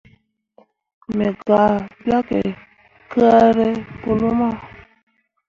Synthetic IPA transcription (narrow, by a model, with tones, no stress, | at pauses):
mɛ˨ɡa˨bja˦kḛ˨ | kə˦a˦ɾe˦po˨lo˦ma˦˨